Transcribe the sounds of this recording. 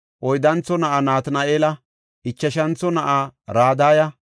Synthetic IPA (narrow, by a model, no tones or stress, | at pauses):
ʔɔjd̪ɐnt͡sːɔnɐʔanaːt̪nɐeːlɐ | ɪt͡ʃːɐʃɐnt͡sːɔnɐʔaɾaːd̪aːjɐ